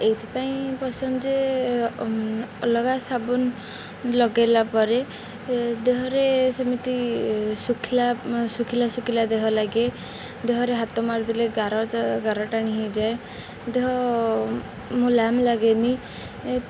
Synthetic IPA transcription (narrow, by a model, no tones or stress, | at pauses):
ejt̪ʰipaĩpɔsɔnd͡ʒe | ɔlɔɡasabun | lɔɡajlapɔɾe | d̪eɦɔɾesɔmit̪isukʰilasukʰilasukʰilad̪eɦɔlaɡe | d̪eɦɔɾeɦat̪ɔmaɾd̪ileɡaɾɔɡaɾɔʈaɽ̃iɦid͡ʒae | d̪eɦɔ | mũlamlaɡeni